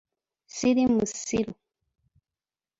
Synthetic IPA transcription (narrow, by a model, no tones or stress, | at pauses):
siɾimusiɾu